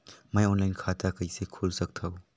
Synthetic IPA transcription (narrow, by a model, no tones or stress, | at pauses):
mɐjɔnlajnkʰat̪ʰakəjsekʰolsɐk̚t̪ʰɐw